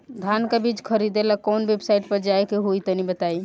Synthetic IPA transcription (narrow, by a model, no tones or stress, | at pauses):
d̪ʱankəbid͡ʒkʰəɾid̪elakɔnbebsaiʈ̚pəɾd͡ʒaekeɦojt̪ənibət̪ai